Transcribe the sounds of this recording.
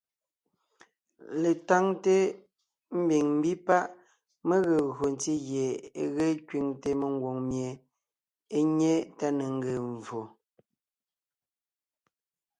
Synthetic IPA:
le˨ta˦ŋte˦ | m̩˦bi˨ŋm˦bi˦pa˦ʔ | me˦ɣə˨ɣo˨n˨˦ti˦ɣje˨e˨ɣe˦kɥi˨ŋte˦me˨ŋ˦ɡwo˨ŋmje˨ | e˦ɲe˦ta˦ne˨ŋ̩˦ɡe˨ɱ˨vo˨

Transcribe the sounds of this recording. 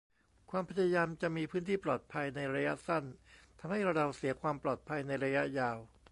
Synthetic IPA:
kʰwaː˧mpʰa˧˥ja˧jaː˧mt͡ɕa˨˩ʔmiː˧pʰɯː˦˥nt̪ʰiː˥˩plɔː˨˩t̪̚pʰa˧jna˧jɾa˧ja˦˥ʔsa˥˩nt̪ʰa˧mha˥˩jɾa˧wsi˩˦ɐkʰwaː˧mplɔː˨˩t̪̚pʰa˧jna˧jɾa˧ja˦˥ʔjaː˧w

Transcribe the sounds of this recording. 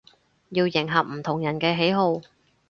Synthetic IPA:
jiː˧wjɪ˨˩ŋɦɐ˨p̚m̩˨˩t̪ʰʊ˨˩ŋjɐ˨˩nkɛː˧ɦe˨˥jɦo˧w

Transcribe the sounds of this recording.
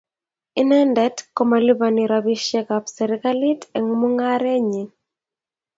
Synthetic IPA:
ɪ˦nɛ˦ndɛ˦tko˦ma˨li˦ba˨ni˨ɾabi˦ʃɛ˦kapsɛɾɪka˦li˦tɛ˨ŋmʊ˦ŋa˦ɾɛ˦ɲi˨

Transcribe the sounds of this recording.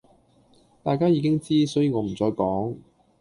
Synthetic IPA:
t̪aː˨jkaː˥jiː˨˧kɪ˥ŋt͡siː˥sɔː˨˥jiː˨˧ŋɔː˨˧m̩˨˩t͡sɔː˧jkɔː˨˥ŋ

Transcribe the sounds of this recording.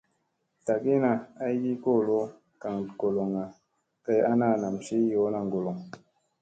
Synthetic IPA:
ta˨ki˦na˨a˦i˦ji˦ko˦˨lo˦ | ka˨ŋɡo˨lo˨ŋa˨ | ke˧ja˦na˦˨na˨mʃi˦jo˨˦na˨ŋ˨ɡo˨lo˨ŋ

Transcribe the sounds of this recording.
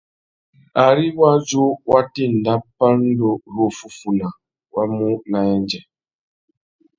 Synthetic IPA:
a˨ɾi˦wa˦d͡ʒu˦wa˦ti˦n̩˨da˦pːa˦n̩˦do˦ɾo˦fu˨fu˨na˨ | wa˦mu˦na˨jɛ˦n˦d͡ʒɛ˨

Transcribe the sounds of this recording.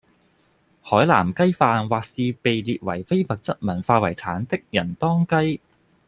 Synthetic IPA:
hɔː˨˥jla̰ː˨˩mkɐ˥jfaː˧nwaː˨k̚siː˧pe˨jliː˨t̚wɐ˨˩jfe˥jpɐ˨k̚t͡sɐ˥t̚mɐ˨˩nfaː˧wɐ˨˩jt͡sʰaː˨˥nt̪ɪ˥k̚jɐ˨˩nt̪ɔː˥ŋkɐ˥j

